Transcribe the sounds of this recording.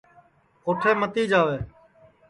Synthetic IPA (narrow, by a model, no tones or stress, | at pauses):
oːʈʰeːmət̪iːd͡ʒaːʋeː